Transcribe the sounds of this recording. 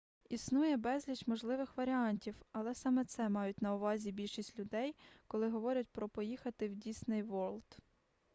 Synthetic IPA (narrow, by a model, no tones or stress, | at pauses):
isnujɛbɛzʲlʲit͡ʃmɔʒlˠɪʋɪxʋɐɾʲɪɑnʲtʲiwɐlˠɛsɑmɛt̪sɛmɑjʊtʲnɐʊʋɑzʲibʲilʲʃisʲtʲlʲʊd̪ɛjkɔlˠɪɦɔʋɔɾʲɐt̚ʲpɾɔpɔjixɐt̪ɪwdʲisnɪjʋɔlʲˠt̪